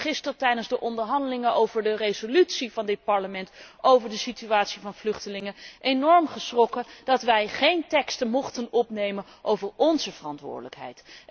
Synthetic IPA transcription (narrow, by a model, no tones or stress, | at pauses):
χɪstəɹtɛjdənzdəʔɔndəɹɦɑndəlɪŋəʔowvəɹdərezolytsivɑndɪt̚pɑɹləmɛntʔowvəɹdəsityaːtsivɑnvlɵχtəlɪŋəʔejnɔɹmχəsrɔkəd̥ɑtʋɛjχejntɛkstəmɔχtənɔpnejmən | ʔowvəɹɔnzəv̥ərɑntʋʊ̰ːɹdələ̰kɦɛ̰jt